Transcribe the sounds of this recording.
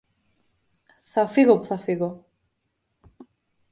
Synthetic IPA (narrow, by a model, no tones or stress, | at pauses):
θafiɣopθafiɣo